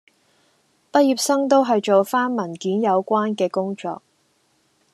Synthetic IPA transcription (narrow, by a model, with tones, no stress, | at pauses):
pɐ˥t̚jiː˨p̚sɐ˥ŋt̪o˥wɦɐ˨jt͡ʃo˨wfaː˥nmɐ˨˩nkiː˨˥njɐ˨˧wkʷaː˥nkɛː˧kʊ˥ŋt͡ʃɔ̰ː˨k̚